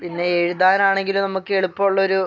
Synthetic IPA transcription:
pinːeeɻuðaːnaːɳe̞ŋɡilumnɐmukːɨeɭupːɐuɭːɐo̞ɾu

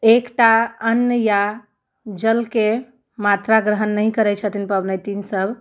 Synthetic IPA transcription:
ekʈaənːjəja | d͡ʒəlke | mat̪ɾaɡɾəɦənːəjkəɾɛt͡ʃʰət̪inpəbnət̪insəbʱ

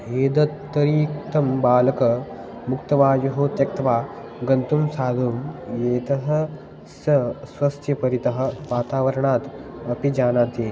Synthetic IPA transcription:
eːd̪ɐt̪ːɐɾiːkt̪ɐmbaːlɐkɐmuk̚t̪ɐʋaːjuɦoːt̪jɐk̚t̪ɐʋaː | ɡɐnt̪umsaːd̪ʱumjeːt̪ɐɦɐ | sɐsʋɐst̪ʰjɐpɐɾit̪ɐɦɐ̆ʋaːt̪aːʋɐɾɐɳaːt̪ɐpid͡ʒaːnaːt̪eː

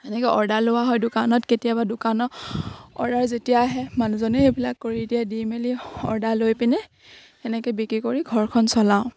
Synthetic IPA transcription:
ɛnɛkɔʔɔɹdalʊwaɦɔjdʊkanɔtketijabadʊkanɔ | ɔ̰ɹdaɹzetijaɦɛmanuzɔnɛebilakːoɹidijɛdimeliɔ̰ɹdalojpinɛ | ɛnɛkɛbikɹikoɹiɡʱɔɹkʰɔnsɔlaʊ̃

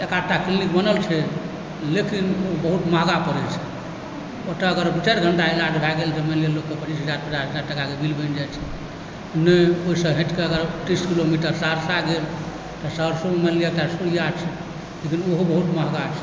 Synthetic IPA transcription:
ekaʈːakilnikbənəlt͡ʃʰɛ | lekinobəɦut̪maɦɡapəɾɛt͡ʃʰɛ̥ | ot̪əːɡəɾt͡ʃɛɾɡʱəɳʈaelaɖbʱaɡeld͡ʒemelielːokːepət͡ʃisɦəd͡ʒaɾpət͡ʃasɦəd͡ʒaɾʈəkakebʱilbʱənd͡ʒajt͡ʃʰɛ | nɛoɦisə̃ɦẽʈkeəɡəɾʈ̪iskilomiʈəɾsaɾsaɡel | t̪ɔsəɾsommeliek̚ʈasuijat͡ʃʰɛ | lekinoɦobəɦut̪maɦɡat͡ʃʰɛ̥

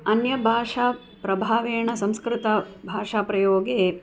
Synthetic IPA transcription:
ɐnjɐbʱaːʂaː | pɾɐbʱaːʋeːɳɐsɐ̃mskɾɪt̪ɐ | bʱaːʂaːpɾɐjoːɡeː

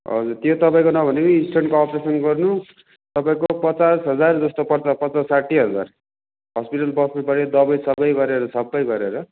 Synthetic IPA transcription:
ɦʌ̰d͡zurt̪jot̪ʌpaĩkonʌbʱʌnepʌisʈʌɳɖkoʌpresʌnɡʌrnu | t̪ʌpaĩkopʌt͡sasɦʌd͡zard͡zʌst̪opʌrt͡sʌpʌt͡sassaʈːiɦʌd͡za̰r | ɦʌspiʈʌlbʌsnepʌɾid̪ʌbʌjsʌbʌjɡʌɾeɾʌsʌbːʌjɡʌɾeɾʌ

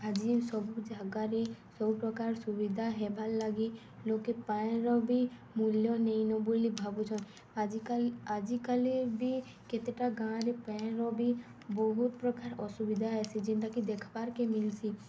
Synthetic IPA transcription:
ɦad͡ʒisɔbud͡ʒʱaɡaɾesɔbupɾɔkaɾsubid̪ʱaɦɛbʱalːaɡi | lokepajẽɾɔbi | muljɔnejnɔbulibʱabud͡ʒʰɔn | kad͡ʒikalebi | ket̪eʈaɡãɾepãɾɔbi | bɔɦut̪pɾɔkaɾɔsubid̪ʱaasid͡ʒinʈakid̪ekʰbaɾkemilsi

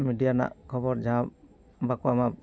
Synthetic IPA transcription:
midijana̰ʔkʰɔbɔɾd͡ʒaã | bakuama

